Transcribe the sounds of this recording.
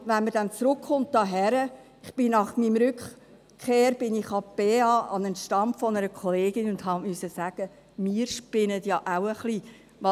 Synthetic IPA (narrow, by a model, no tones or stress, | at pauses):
vænməɾd̥ænt͡sɾʊkχʊnt̚d̥ɑːɦɛɾə | ɪχb̥ɪnɑχmimɾʏk | χeːɾb̥ɪnɪχɑpeɑʔɑnɛnʃtɑmpfɔnəɾəkʰɔleːɡɪnʊndɦɑmysəsæɡ̥ə | miːɾʃpɪnətjɑʔawəχli | ʋɑ